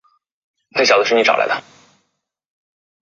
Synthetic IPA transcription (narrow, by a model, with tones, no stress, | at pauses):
e˥˩ɕjɑ˨˩d̪ə˦ʂɻ̩˥˧ni˥ʈ͡ʂɑ˨˩ʊla̰˧˥ɪd̪ə˧